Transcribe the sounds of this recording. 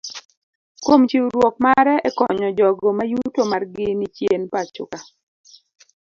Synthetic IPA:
kwomt͡ʃiwɾwɔk̚maɾɛɛkɔɲɔd͡ʒɔɡɔmajutomarɡɪnɪt͡ʃjenpat͡ʃʊ̰ka

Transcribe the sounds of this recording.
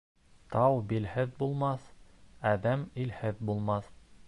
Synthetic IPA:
t̪ɑwbilhɘðbulˠmɑθæðæmilhɘðbulˠmɑθ

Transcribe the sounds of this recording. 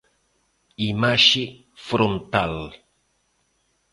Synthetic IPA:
imaʃi | fɾont̪al

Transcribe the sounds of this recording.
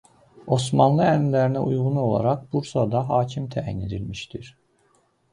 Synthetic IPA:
o̞smɑnlˠɯænimlæɾinæʔujʁuno̞lˠɑ̰ɾɑqbuɾsɑd̪ɑɦɑːcʰimt̪ʰææ̰jne̞d̪ilmiʃt̪iɾ̥

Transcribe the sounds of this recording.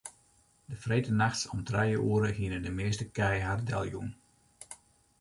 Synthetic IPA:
dəfreːtənaxtsɔmtrɛjəuːɾəhiənədəmeːstəkɛjɦardɛ̰lˠjṵn

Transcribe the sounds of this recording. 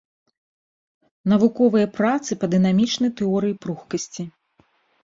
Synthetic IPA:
n̪ɐvukɔvɨjɐpɾat̪sɨpɐd̪ɨn̪amʲit͡ʂnɐjt̪ɛɔɾɨjipɾuxkɐsʲt͡sʲi

